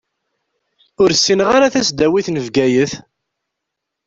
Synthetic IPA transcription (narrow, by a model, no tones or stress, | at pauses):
ʊɾsːinʁaɾaθæsd̪æwiθnəvɡæjəθ